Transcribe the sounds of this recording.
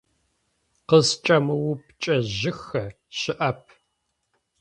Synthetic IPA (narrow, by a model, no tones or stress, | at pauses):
qəst͡ʃʼɐmɨwʊpʰt͡ʃʼɐʑɪxɐ | ɕɪʔɐp̚ʰ